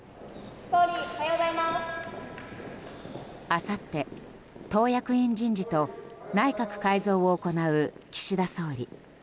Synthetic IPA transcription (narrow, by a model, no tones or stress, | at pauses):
t̪oɾʲit̪ajod̪aima | asat̪ːe̞ | t̪o̞ːjakɯ̟ĩɲd͡ʑĩɲ̟d͡ʑit̪o̞naikakɯ̟̥kaizo̞ːoːko̞naɯ̟kʲi̥ɕid̪aso̞ːɾʲḭ